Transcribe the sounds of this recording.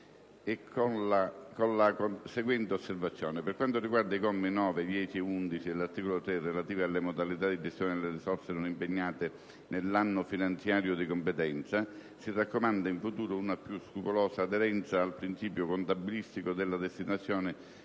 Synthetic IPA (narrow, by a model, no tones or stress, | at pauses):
ekʰːonlakonlakoseɡwɛnt̪eosːervat̪sːjɔːnɪperkwant̪oriɡward̪aikɔmːinɔːved̪jɛːt͡ʃiɛund̪it͡ʃid̪elart̪iːkolot̪ɾerːelat̪iːvalːemod̪alit̪ad̪id͡ʒest̪jɔːnɪelːerisɔrsenonimpeɲːaːt̪ɪ | nelːanːʊfinant̪sjaːɾjod̪ikompet̪ɛnt̪sa | sirakːomand̪aiɱfut̪uːɾounapjuskɾupolɔːsaːd̪eɾɛnt̪saːlpɾint͡ʃiːpjokont̪abːilist̪ikod̪elːad̪est̪inat̪sːjɔːnɪ